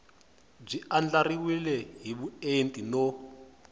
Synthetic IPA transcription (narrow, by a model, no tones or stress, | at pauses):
b͡ʐiand͡ɮariwilɛɦiβuentʼino